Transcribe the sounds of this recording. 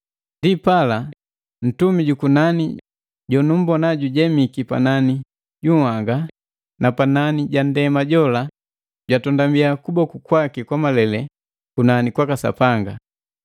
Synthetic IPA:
ndipala | n̩tumiɟukunani | ɟɔnum̩bɔnaɟuɟɛmikipa̰nani | ɟuhaŋɡa | napananiɟandɛmaɟɔla | ɟwatɔndambiakubɔkukwakikwamalɛlɛ | kunanikwakasa̰paŋɡa̰

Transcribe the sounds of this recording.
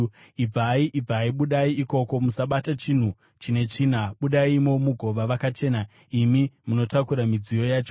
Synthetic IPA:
ib͡vaiʔib͡vaiɓuɗaiiko̞ko̞musaɓatat͡ʃin̤u | t͡ʃine̞t͡ʂiːnaɓuɗaimo̞muɡʱo̞ʋaʋakat͡ʃe̞ːna | imimuno̞takuɾamid͡zijo̞jaːt͡ʃo

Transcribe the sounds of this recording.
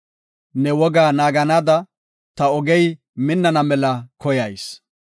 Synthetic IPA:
nɛwɔɡaːnaːɡɐnaːd̪ɐ | t̪ɐɔɡɛj | mɪnːɐnɐmɛlɐkɔjɐjs

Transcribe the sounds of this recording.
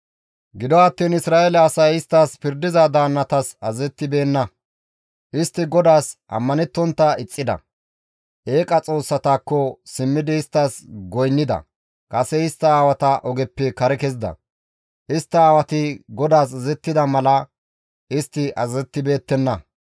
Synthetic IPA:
ɡɪd̪ɔɐt̪ːiːnɪsɾaːʔelɛɐsɐjɪst̪ːaːspɪɾd̪ɪzɐd̪aːnːɐt̪ɐsɐzɛt̪ːɪbe̞ːnːɐ | ʔɪst̪ːɪɡɔd̪aːsʔɐ̰mːɐnɛt̪ːɔnt̪ːɐɪt͡sʼːɪd̪ɐ̰ | ʔeːkʼɐt͡sʼo̞ːsːɐt̪aːkːɔsɪmːɪd̪ɪɪst̪ːasɡɔjnːɪd̪ɐ̰ | kʼɐsɛɪst̪ːɐːwɐt̪ɐʔɔɡɛpːɪkɐɾɛkɛzɪd̪ɐ̰ | ʔɪst̪ːɐaːwɐt̪ɪɡɔd̪aːs̬ɐzɛt̪ːɪd̪ɐmɐlɐ | ɪst̪ːɪʔɐzɛt̪ːɪbe̞ːt̪ːɛnːɐ

